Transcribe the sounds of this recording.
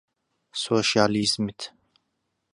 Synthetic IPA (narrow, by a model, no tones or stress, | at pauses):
soʃalizmit̪ʰ